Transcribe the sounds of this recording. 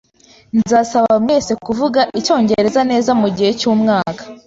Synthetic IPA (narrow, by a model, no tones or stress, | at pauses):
nzaːsaβamŋe̞ːse̞kuvuɡaʔico̞ːɲɟe̞ɾe̞zane̞ːzamuɟihe̞cuːmŋaːkḁ